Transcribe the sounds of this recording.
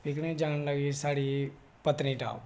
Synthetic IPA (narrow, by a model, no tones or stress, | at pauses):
pɪknẽd͡ʒaːnləɡisaːɽi | pət̪nĩːʈa̰ːʋ